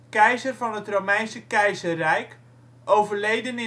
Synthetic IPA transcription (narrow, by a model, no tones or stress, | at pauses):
kɛjzərvɑnətrowmɛjnsəkɛjzərrɛjk | ʔowvərlejdənɪ